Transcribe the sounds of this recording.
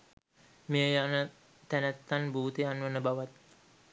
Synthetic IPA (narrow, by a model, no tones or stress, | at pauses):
mejəjanə | t̪ænæt̪ːanbuːt̪eanʋənəbaʋat̪